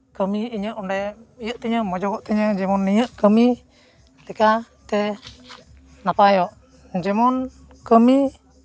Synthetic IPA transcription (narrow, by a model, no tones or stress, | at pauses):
kəmiiɲəʔɔndɛijəʔt̪ɛɲəmɔd͡ʒɔɡɔʔt̪ɛɲəd͡ʒɛmɔnːijəʔkəmi | lika | t̪ɛ | napajɔʔ | d͡ʒɛmɔn | kəmi